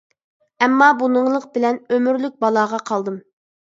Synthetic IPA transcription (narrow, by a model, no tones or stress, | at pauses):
ɛmːɑbunɨŋlˠəq̚bɪlɛnømyɾlyk̚ʲbɑlˠɑːʁɑqʰɑlˠd̪ɨm